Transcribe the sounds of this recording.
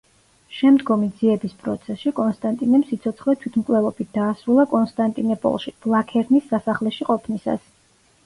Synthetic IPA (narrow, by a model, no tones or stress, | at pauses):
ʃɛmd̪ɡɔmid̪z̥iɛbispʼɾɔ̰t̪sʰɛsʃikʼɔnst̪ʼant̪ʼinɛmsit̪sʰɔt̪sχlɛt̪ʰwit̪ʰmkʼwlɛlˠɔbit̪̚ʰd̪̥aːsɾulˠakʼɔnst̪ʼant̪ʼinɛpʼɔ̰lˠʃib̥lˠakʰɛɾnisːasaχlɛʃiqʼɔpʰnisa̰s